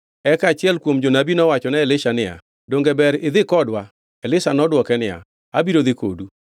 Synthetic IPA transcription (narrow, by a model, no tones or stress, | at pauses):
ɛkat͡ʃɪɛlkwomd͡ʒonabinɔwat͡ʃɔnɛɛlɪʃanɪa̰ | doŋɡebɛɾɪðɪkɔdwa | ɛlɪsanɔdwɔkɛnɪa̰ | abiɾoðɪko̰du